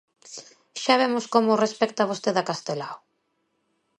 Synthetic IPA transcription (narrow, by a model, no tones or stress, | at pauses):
ʃaβemʊskomorespɛk̚t̪aβ̞ost̪eðakast̪elaw